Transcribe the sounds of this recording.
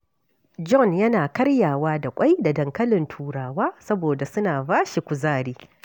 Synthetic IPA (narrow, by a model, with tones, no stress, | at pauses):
d͡ʒɔ˦˨njɐ˦naː˨kɐ˦ɽjaː˨waː˦da˨kʷʼa˦jda˨dɐ˨ŋkɐ˦lɪ˨ntʰuː˨ɽaː˨waː˦sɐ˦boː˨da˨sʊ˦naː˨baː˦ʃi˨kʷʊ˨zaː˦˨ɽiː˦